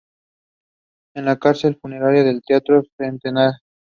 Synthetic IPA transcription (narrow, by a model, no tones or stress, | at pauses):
enlakaɾse̞lfune̞ɾaɾjaðe̞lt̪eat̪ɾosent̪enaɾ